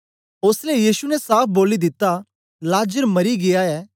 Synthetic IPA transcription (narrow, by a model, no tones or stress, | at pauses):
ʊslejiːsunɛsaːp̚ʰboːlid̪ɪt̪ːa | laːd͡ʒəɾmɐɾiɡɪjaɛː